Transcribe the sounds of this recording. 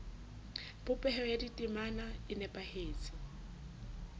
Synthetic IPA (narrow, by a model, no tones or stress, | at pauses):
bʊpʼɛhɛɔjaditʼimanaɪnɛpʼaheːt͡sʰʼɪ